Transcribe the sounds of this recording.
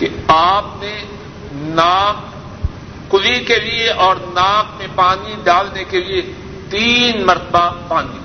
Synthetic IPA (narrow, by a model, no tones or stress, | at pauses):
keaːpne | naːkː | ʊlikelieʔɔːɾnaːk̚mẽpaːniɖaːlnekelie | t̪iːnmɐɾt̪əbapaːni